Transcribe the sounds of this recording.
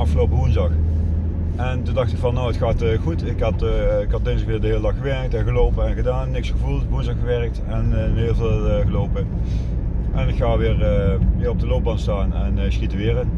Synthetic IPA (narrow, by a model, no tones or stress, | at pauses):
ɑfxəlowpəʋunzdɑx | ʔɛntundɑxtɪkfɑnːowətxaːtəxutɪkɦɑtkhɑt̚ɪnsəkʋɪːɹdəɦeːlədɑxxəʋɛʁk̚tɛnɣəloːpəɛnɣədaːnːɪksxəvulˠtʋunzdɑxəʋɛɹək̚tɛnəɪːlˠveːlˠəɣəlowpə | ʔɛnɪkxaːʋɪːrəʋɪːrɔb̚dəloːb̚bɑnstaːnɛnksxitəʋɪːrən